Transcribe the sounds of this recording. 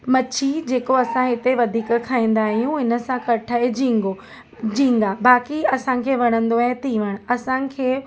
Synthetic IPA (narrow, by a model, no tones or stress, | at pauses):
mɐt͡ɕʰid͡ʑeːkoɐsãɦɪt̪eʋɐd̪ʱiːkkʰːaːĩːn̆d̪aːɦijũɪnə̆sãkɐʈʰaːɦed͡ʑĩːŋɡo | d͡ʑĩːŋɡabaːkiɐsãkʰeːʋɐɽ̃ə̃nd̪oaːɦẽt̪ʰĩʋəɽ̃ɐsãkʰeː